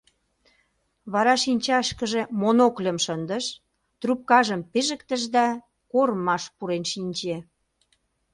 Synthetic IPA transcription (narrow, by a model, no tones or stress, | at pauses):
βɑɾɑʃinʲt͡ɕɑʃkəʒĕmonoklʲə̆mʃənd̪əʃ | t̪rup̚kɑʒəmpiʒə̆kt̪ə̆ʒd̪ɑ | koɾmɑʃpuɾenʃinʲt͡ɕe